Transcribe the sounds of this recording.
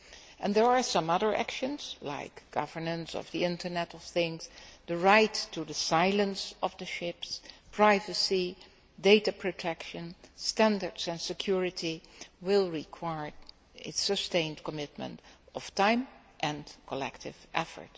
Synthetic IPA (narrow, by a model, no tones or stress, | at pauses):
ʔɛ̃nðə˞aɹsʌ̃mʌðə˞ʔæ̰kʃə̃nz̥la̰ɪkɡ̥ʌvə˞nə̃nsɔ̰vðiɪ̃ntə˞nɛɾɔv̥θɪ̃ŋz̥ðəɹaɪtʰːuðəsaɪlˠə̃nsʌvðɨʃɪpspʰɹ̥aɪvɨsi | deɪtapʰɹ̥otʰɛkʃɨ̃nstæ̃ndə˞dzɨ̃nsɨkʰjʊɹɨtiwɪlˠɹikʰw̥aɪɹ | ɪsɨstẽɪ̃ndkəmɪt̚mə̰̃ntʌv̥tʰãɪ̃m | ʔɨ̃nkʰəlɛ̰ktʰɪ̰vʔɛfə̰˞t